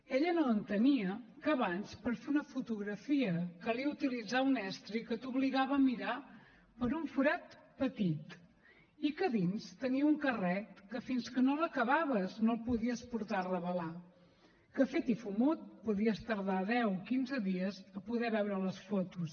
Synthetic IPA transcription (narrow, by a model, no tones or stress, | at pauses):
eʎənoənt̪əniəkəβanspəɾfeunəfut̪uɣɾəfiəkəliəut̪ilid͡zaunɛst̪ɾikət̪uβliɣaβəːmiɾa | pəɾuɱfuɾat̪pət̪it̪ | ikəðinst̪əniəuŋkərɛkəfinskənoləkəβaβəznolˠpuðiəspuɾt̪arəβəla | kəfet̪ifumot̪̚puðiəst̪əɾðaðɛwkinzəðiəzəpuðɛβɛwɾələsfot̪us